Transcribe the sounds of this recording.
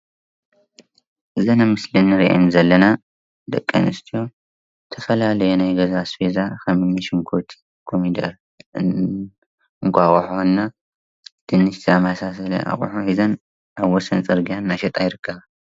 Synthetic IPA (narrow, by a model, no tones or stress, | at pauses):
ʔɨzɐnamɨslinːɨɾiʔa̰nzɐlːɐna | d̪ɐ̰kʼːɐ̰nɨst̪ʰijo̞ | t̪ʰɐfɐlalɐjonajɡɐzasfezaxɐmɨmɐʃɨŋkʰot̪ʰi̥ | kʰomid̪ɐɾ | ɨŋkʷʰʼaxʼħonːa | d̪̥ɨnːɨʃt̪ʰiamasasɐlɐ̰ʔa̰xʼṵħuhizɐn | ʔaβwɔsɐnt͡sʼɨɾɡijanːaʃɐt̪ʼajɪɾɨkʰːɐβa